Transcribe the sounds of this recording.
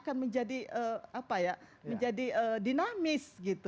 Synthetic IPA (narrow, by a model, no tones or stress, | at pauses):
kanməɲd͡ʒadiʔəapajaməɲd͡ʒadiədinamɪsɡit̪u